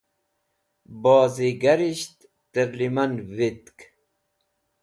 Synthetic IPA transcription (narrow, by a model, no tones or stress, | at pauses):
boːziɡɐɾiɕt̪ːəɾlimɐnʋit̪k